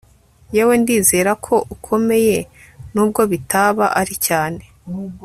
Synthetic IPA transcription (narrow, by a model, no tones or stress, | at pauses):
jewe̞ndiːze̞ːɾakʰo̞ʔukʰo̞me̞je̞ | nuːb̚ɡo̞βitaβaʔaɾicaːne̞